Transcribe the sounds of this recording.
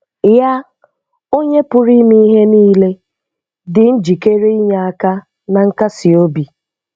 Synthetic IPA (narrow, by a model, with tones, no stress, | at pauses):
ja˦ | o˦ɲe˦pʊ˨ɾi˦mi˦i˦ɦe˦niː˦le˦ | dɪ˨n̩˦d͡ʒi˨ke˦ɾe˦i˦ɲa˨a˦ka˦ | na˨ŋ̩˦ka˦si˨o˦bi˨